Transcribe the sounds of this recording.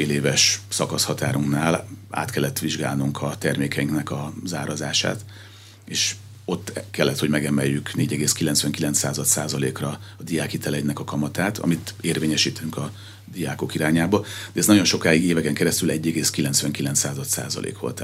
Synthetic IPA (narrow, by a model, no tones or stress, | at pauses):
feːleːvɛʃsɒkɒshɒt̪aːɾuŋknaːla̰ːt̪kɛlːɛt̪ːʋiʒɡa̰ːlnuŋkʰɒt̪ɛrmeːkɛiŋknɛkɒzaːɾɒzaːʃa̰ːt̪ | eːʃ | o̞t̪ːkɛlːɛt̪ho̞ɟmɛɡɛmɛjːykneːɟɛɡeːskilɛnsʋɛŋkilɛnt̪saːzɒt̪saːzɒlḛːkrɒɒd̪ijaːkit̪ɛlɛdnɛkɒkɒmɒt̪aːt̪ʰɒ̰mit̪eːrveːɲɛʃiːt̪yŋkɒ | d̪ijaːko̞kiɾaːɲaːbɒd̪ɛznɒɟo̞nʃo̞kaːjiɡeːvɛkɛŋkɛɾɛst̪ylɛɟːɛɡeːskilɛntsʋɛŋkilɛnt̪saːzɒt̪sa̰ːzɒ̰lʔḛːkʋo̞̰lt̪